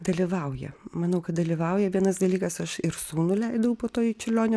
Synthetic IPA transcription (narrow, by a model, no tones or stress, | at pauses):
d̪ɐlʲiʋɐʊjɛ̰mɐnɐʊkɐt̪̚d̪ɐlʲiʋɐʊjɛʋʲiɛnɐsd̪ɐlʲiːkɐsɐʃɪɾsuːnʊlʲɛɪd̪ɐʋɐʊpoːt̪oːjt͡ʃʲɪlʲoːnʲ